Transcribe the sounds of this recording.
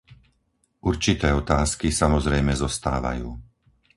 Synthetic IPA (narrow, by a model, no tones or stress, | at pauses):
ʔuɾt͡ʃit̪ɛːɔt̪aːskisamɔzɾɛjmɛzɔst̪a̰ːʋa̰juː